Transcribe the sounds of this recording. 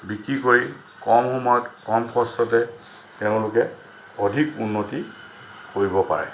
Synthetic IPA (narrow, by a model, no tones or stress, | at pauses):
bikɹikoɹi | kɔmxɔmɔjɔtkɔmkʰɔstɔtɛ | teʊ̃lʊkɛ | odʱikunːoti | koɹibɔpa̰ɹɛ̰